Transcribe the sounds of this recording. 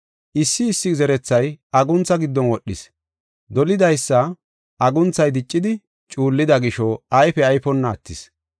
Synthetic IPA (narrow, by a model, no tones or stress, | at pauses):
ʔɪsːɪːsːɪzɛɾɛt͡sːɐjɐɡʊnt͡sːɐɡɪd̪ːɔnwɔɗːɪ̰s | d̪ɔlɪd̪ɐjsːɐ | ʔɐɡʊnt͡sːɐjd̪ɪt͡ʃʼːɪd̪ɪ | t͡ʃʼuːlːɪd̪ɐɡɪʃɔɐjfɛɐjfɔnːɐːt̪ːɪs